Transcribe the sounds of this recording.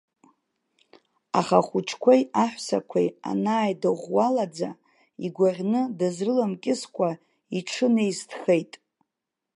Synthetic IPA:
aχaχʷut͡ʃʰkʷʰojaħʷsa̰kʷʰḛja̰naːjdoʁʷwalad͡za | iɡʷarʲnɨdazrɨlamkʲʼɪskʷʰʼa | iʈ͡ʂʰɨnejstʰχe̞jtʼ

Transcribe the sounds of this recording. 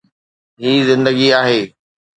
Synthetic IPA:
ɦiːzɪ̃nd̪əɡiaːɦeː

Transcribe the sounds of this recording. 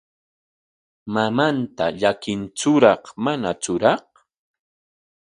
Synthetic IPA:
mamant̪aʎakɪnt͡ʃʊɾɑχmanat͡sʊɾɑχ

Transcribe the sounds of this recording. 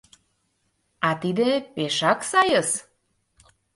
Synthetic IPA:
ɑt̪id̪epeʃɑksɑjəs

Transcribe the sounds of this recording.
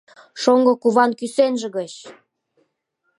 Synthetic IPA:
ʃoŋɡɤ̆kuβɑnkysenʒĕɣət͡ɕ

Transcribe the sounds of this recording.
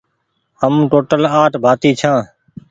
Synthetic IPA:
həmʈoːʈəlaːʈbʱaːt̪iːt͡ʃʰãː

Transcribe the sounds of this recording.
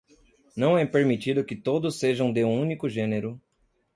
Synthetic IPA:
nɐ̃w̃ɛpeɾmit͡ʃid̪ʊkɪt̪od̪ʊsːeʒɐ̃w̃d̪eũũnikʊʒẽneɾʊ

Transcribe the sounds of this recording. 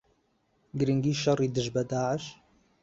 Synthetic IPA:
ɡɾəŋɡiːʃɑrˤiːd̪ɨʒbɐd̪aːʕəʃ

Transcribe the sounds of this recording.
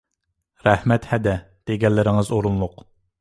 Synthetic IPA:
ɾɛhmɛt̪hɛd̪ɛ | d̪̥eɡʲɛlːɪɾɪŋɨzoɾunlˠʊq

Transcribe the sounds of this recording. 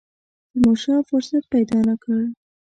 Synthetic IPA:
d̪̥əmɑʃɑfʊɾsat̪̚pajd̪ɑnakəɽ

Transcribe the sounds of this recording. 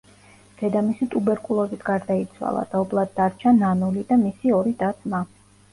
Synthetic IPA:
d̪̥ɛd̪amisit̪ʼubɛɾkʼulˠɔzit̪ʰɡaɾd̪ait̪sʰwa̰lˠa̰d̪̥aɔblˠad̪̚ːaɾt͡ʃʰananulid̪amisiɔɾid̪at̪sma

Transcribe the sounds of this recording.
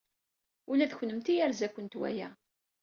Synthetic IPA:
ulæðçnəmt̪ijæɾzækʷːənt̪wæ̰jæ̰

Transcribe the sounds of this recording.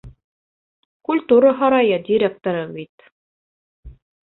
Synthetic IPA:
kulʲt̪uɾəɦɑɾɑjɤd̪ʲiɾʲek̚t̪oɾɤbit̪

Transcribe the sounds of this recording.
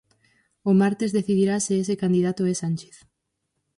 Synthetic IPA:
ʊmaɾt̪ezðeθiðiɾaseesekand̪iðat̪ʊɛsanʲt͡ʃe̥θ

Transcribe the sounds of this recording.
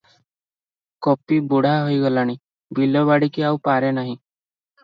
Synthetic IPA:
kɔpiːbuɽ̤aɦojɡəlañi | bʱiləbaɽikiawpaɾɛnaɦĩ

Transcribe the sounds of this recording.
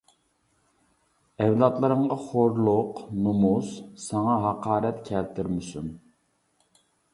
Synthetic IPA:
ɛwlˠɑt̪lˠəɾəɴʁɑχoɾlˠʊqnumussɑŋɑɦɑqɑːɾɛt̪kʲʰɛlt̪ʰɪɾmɪsun

